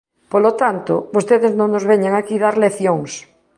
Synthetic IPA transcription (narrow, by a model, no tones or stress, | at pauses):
polot̪ant̪o̰bost̪eðeznõŋnozβeɲaŋakiðaɾleθjoŋs